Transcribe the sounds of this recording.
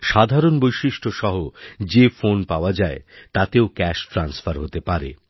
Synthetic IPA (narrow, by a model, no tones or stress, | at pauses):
ʃad̪ʱaɾonbojʃiʃʈʰoʃɔɦod͡ʑefonpaoad͡ʑaet̪at̪eokɛʃʈɾansfaɾɦot̪epaɾḛ